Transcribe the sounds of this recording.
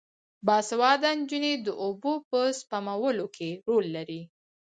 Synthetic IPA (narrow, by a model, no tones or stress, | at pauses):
bɑsawɑd̪and͡ʒuned̪əʔobopəspamawəlokʰeɾolːaɾi